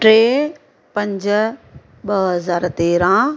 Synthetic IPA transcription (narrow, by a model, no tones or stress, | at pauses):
ʈɾeː | pɐ̃ɲd͡ʑ | ɓɐɦɐzaːɾt̪eːɾã